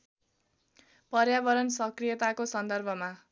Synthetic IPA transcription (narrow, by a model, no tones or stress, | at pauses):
pʌrjabʌɾʌnsʌkrijʌt̪akosʌnd̪ʌrbʱʌma